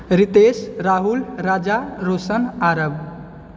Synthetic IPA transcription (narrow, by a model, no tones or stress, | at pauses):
ɾit̪esɾaɦulɾad͡ʒaɾosənaɾəb